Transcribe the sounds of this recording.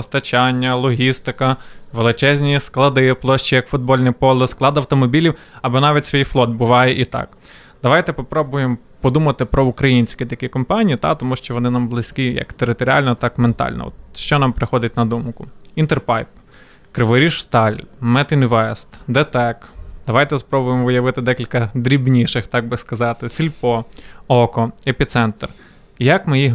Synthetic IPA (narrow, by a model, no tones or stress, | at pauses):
ɔst̪ɐt͡ʃɑnʲːɐlˠɔɦʲist̪ɪkɐʋelˠɪt͡ʃɛzʲnʲisklˠɐd̪ɪplˠɔʃt͡ʃijɐkfʊd̪̚bɔlʲnɪpɔlˠɪsklˠɑd̪ɐwt̪ɔmɔbʲilʲiw | ɐbɔnɑʋʲitʲsʲʋʲijflˠɔd̪̚bʊʋɑjɛʔit̪ɑ̰k | d̪̥ɐʋɑjt̪ɛpɔpɾɔbʊjem | pɔd̪umɐt̪ɪpɾɔʊkɾɐjinʲsʲkʲɪt̪ɐkʲikɔmpɑnʲijit̪ɑ̰t̪ɔmuʃt͡ʃɔʋɔnɪnɑmblˠɪsʲkʲijɐ̰kt̪eɾɪt̪ɔɾʲɑ̰lʲnɔt̪ɑkment̪ɑ̰lʲnɔ̰ɔ̰t̪ʃt͡ʃɔnɑmpɾɪxɔd̪ɪtʲnɐd̪umkʊint̪erpɑjp | kɾɪʋɔɾʲiʃst̪ɑlʲmɛt̪ɪnʲʋɛst̪d̪ɛt̪ɛkd̪̥ɐʋɑjt̪ɛspɾɔbʊjemʋɪjɐʋɪt̪ɪd̪ɛkʲilʲkɐd̪ɾʲibnʲiʃɪxt̪ɑɡ̚bɪskɐzɑt̪ɪsʲilʲpɔɔkɔepʲit̪sɛnt̪r | jɐkmɪji